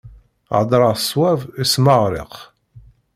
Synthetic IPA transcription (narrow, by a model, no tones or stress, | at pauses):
ʕə̰d̪ˤɾˤɑsˤwævismɑʁɾɪ̰q